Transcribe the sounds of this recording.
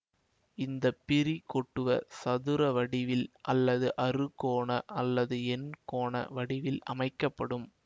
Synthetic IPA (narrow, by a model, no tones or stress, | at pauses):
ɪnd̪ɐpːɪrikɔʈːɯʋɐsɐðɯɾɐʋɐɽɪʋɪlʔɐlːɐðɯʔɐrɯkoːɳɐʔɐlːɐðɯɛnkoːɳɐ̰ʋɐɽɪʋɪlɐ̰mɐɪkːɐpːɐɽɯm